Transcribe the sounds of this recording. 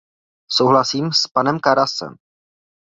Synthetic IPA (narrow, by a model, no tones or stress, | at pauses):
sowɦlasiːmspanɛmkaɾasɛ̰m